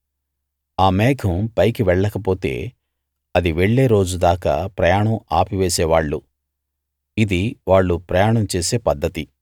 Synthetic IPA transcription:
aːmɛːɡʰʱɐmpɐjkiʋɛɭːɐkɐpo̞ːt̪e̞̰ː | ɐd̪iʋeɭːeːɾo̞ːd͡ʒud̪aːka̰ːpɾɐjaːɳɐmaːpiʋeːsɛːʋaːɭːu | id̪iʋaːɭːupɾɐjaːɳɐmt͡ʃe̞ːseːpɐd̪ːɐt̪i

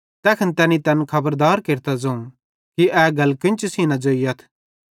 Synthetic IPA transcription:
t̪ɛːkʰənt̪ɛːnĩt̪ɛːnkʰɐbəɾd̪aːɾkeːɾt̪ad͡zɐũ | kiʔɛːɡɐlkɪ̃nt͡ʃusinãd͡ʒoːiɐt̪ʰ

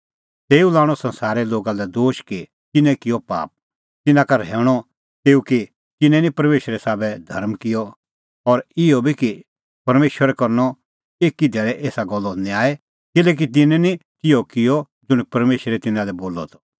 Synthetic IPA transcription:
t̪eːũlaːɽ̃ɔsɐ̃nsaːɾɛloːɡalɛd̪oːʃki | t̪ɪnɛ̃kɪjɔpa̰ːp̚ | t̪ɪnãkaɾɛːɽ̃ɔ | t̪eːuki | t̪ɪnɛ̃nĩpɐɾmeːʃɾɛsaːbɛd̪ʱɐɾmkɪjɔ | ɔɾɪjɔbʱiki | pɐɾmeːʃwəɾɛkɐɾnɔ | eːkid̪ɛːɭɛʔeːsaɡɔlːɔnĩaːɛ | kɪlɛːk̬it̪̬ɪnɛ̃nikɪjɔkɪjɔ | d͡ʒʊɽ̃ipɐɾmeːʃɾɛt̪ɪnãlɛboːlɔ̰t̪ʰɔ̥

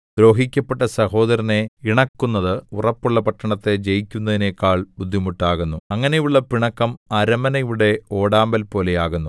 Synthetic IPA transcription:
d̪̥ɾo̞ːɦikʲːɐpːeʈːɐsɐho̞ːðɐɾɐne̞iɳɐkːunːɐðɨurɐpːuɭːɐpɐʈːɐɳɐt̪ːe̞d͡ʑejikʲːunːɐðinekːaːɭbud̪ʱːimuʈːaːɣunːuɐŋːɐnejuɭːɐpiɳɐkːɐmɐɾɐmɐnɐjuɽe̞o̞ːɽaːmbɐlpo̞ːle̞jaːɣunːu

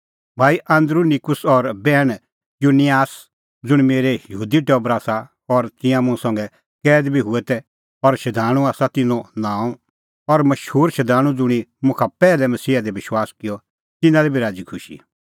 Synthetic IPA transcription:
bʱaːiʔãnd̪ɾunikʊsɔɾbɛːɽ̃ | junijaːs | d͡zʊɽ̃meːɾejjɐɦuːd̪iʈɔːbɾaːsa | ɔɾt̪ɪ̃jãmʊ̃sɐ̃ŋɡɛ | kɛːd̪bʱiɦʊɛt̪ɛ | ɔɾʃɐd̪ʱaːɽ̃ũaːsat̪ɪ̃nɔ̃nãːɔ̃ | ɔɾmɐʃhuːɾʃɐd̪ʱaːɽ̃ũd͡zʊɽ̃imʊ̃kʰapɛːlɛmɐsiːad̪ɛʋɪʃwaːskɪjɔ | t̪ɪnãlɛbʱiɾaːd͡zikʰʊʃḭ

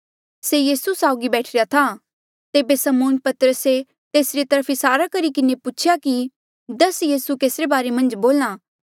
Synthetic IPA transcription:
seːjiːsusaːʊɡibɛːʈʰɾejat̪ʰa | t̪eːbesɐmoːnpɐt̪əɾəse | t̪eːsɾit̪ɐɾəpʰɪsaːɾakɐɾikɪnepʊːt͡ʃʰɪjaki | d̪ɐsjiːsukeːsɾebaːɾemɐ̃nd͡ʒboːlaː

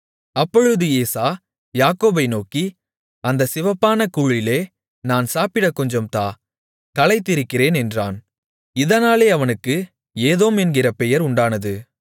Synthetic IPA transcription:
ɐpːɔɻɯðɯeːsaː | jaːkoːbɐɪnoːki | ɐnd̪ɐsɪʋɐpːaːnɐkuːɻɪleː | naːnsaːpɪɽɐkɔɲd͡ʒɐmt̪aː | kɐlɐɪt̪ːɪɾɯkːɪreːnɛndra̰ːn | ɪðɐnaːleːɐʋɐnɯkːɯ | eːðoːmɛnɡɪrɐpɛjɐɾʊɳɖaːnɐðɯ

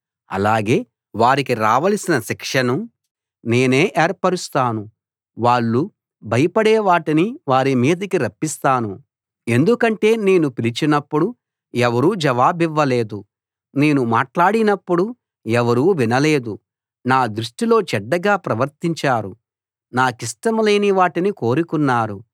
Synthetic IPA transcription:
ɐ̰laːɡe̞ː | ʋaːɾikiɾaːʋɐlsinɐʃikʂɐnu | ne̞ːne̞ːʔɛːɾpɐɾust̪aːnu | ʋaːɭːu | bʱɐjɐpɐɽɛːʋaːʈiniʋaːɾimiːd̪ɐkiɾɐpːist̪aːnu | e̞nd̪ukɐɳʈe̞ːne̞ːnupilit͡ʃinɐpːuɽu | ɛʋɐɾuːd͡ʒɛʋaːbiʋːɐle̞ːd̪u | ne̞ːnuma̰ːʈlaːɽinɐpːuɽu | ɛʋɐɾuːʋinɐle̞ːd̪u | naːd̪ɾuʂʈilo̞ːt͡ʃɛɖːɐɡaːpɾɐʋɐɾt̪iɲt͡ʃaːɾu | naːkisʈɐmleːniʋaːʈiniko̞ːɾikunːaːɾu

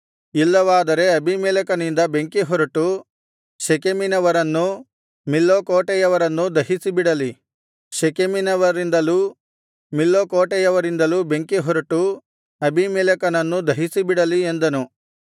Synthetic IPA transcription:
ilːɐʋaːd̪ɐɾe̞ɐbʱimɛːlɐkɐnind̪ɐbe̞ŋkeɦɔɾuʈu | ʃekeminɐʋɐɾɐnːu | milːokoːʈɛjɐʋɐɾɐnːud̪ɐɦisibiɽɐli | ʃekeminɐʋɐɾind̪ɐluː | milːokoːʈɛjɐʋɐɾind̪ɐluːbe̞ŋkeɦɔɾɐʈu | ɐbʱimɛːlɐkɐnɐnːud̪ɐɦisibiɽɐliend̪ɐnu

